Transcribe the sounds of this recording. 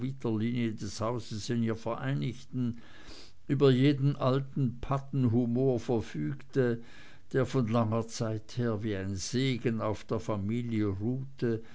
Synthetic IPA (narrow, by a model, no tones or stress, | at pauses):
vitɐliːniədɛshaʊzəsɪniːɐfɛɐʔaɪnɪçtn̩ | ʔyːbɐjeːdn̩ʔaltn̩pʰatn̩ɦumoːɐfɛɐfyːktə | d̥eːɐfɔnlaŋɐt͡saɪtheːɐviːaɪnz̥eːɡənaʊfd̥eːɐfamiːljəʁuːtʰə